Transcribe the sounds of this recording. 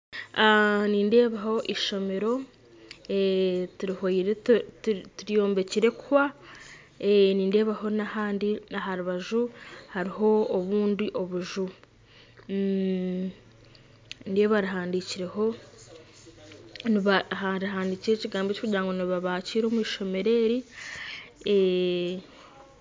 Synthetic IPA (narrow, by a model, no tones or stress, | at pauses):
aniːnde̞ːβaho̞ʔiʃo̞me̞ɾo̞ | etuɾihojiɾe | tuɾijo̞ːmbe̞ciɾe̞kuwa | eniːnde̞ːβaho̞nahaːndinaɦaɾuβaʒuhaɾiɦo̞ːβuːndiʔo̞βuʒu | ndeβaɾiɦaːndiciɾe̞ho̞ | niβahaɾɦaːndiciɾeːciɡaːmbecokuɟɾaːŋɡoniβaβaciːɾo̞mwiːʃo̞me̞ɾe̞ɾi | e